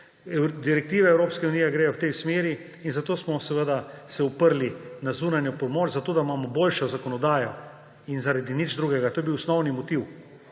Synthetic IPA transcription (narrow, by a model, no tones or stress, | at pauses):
d̪iɾɛk̚t̪iːʋɛɛwɾoːpskɛuniːjɛɡɾeːjɔwt̪ɛjsmeːɾiː | nzat̪oːsmɔsɛʋəd̪asɛupəɾlinazuːnanjɔpɔmoːt͡ʃzat̪oːd̪aimaːmɔboːlʃɔzakɔnɔd̪aːjɔ | inzaɾad̪inid͡ʒd̪ɾuːɡɛɡat̪oːjebiwsnɔwnimɔt̪iw